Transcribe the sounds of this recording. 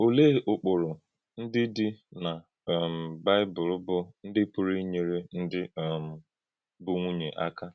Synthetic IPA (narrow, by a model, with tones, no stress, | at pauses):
o˨le˦˨ʔʊ˨k͡pʊ˨ɾʊ˨ | n̩˦dɪ˦dɪ˦na˨ | m̩˨ba˦ɪ˦bʊ˨ɾʊ˦bʊ˦n̩˦dɪ˦pʊ˨ɾi˦ɲe˨ɾe˦n̩˦dɪ˦˨m̩˨ | bʊ˦ŋʷu˦ɲe˨ʔa̰˦ka˦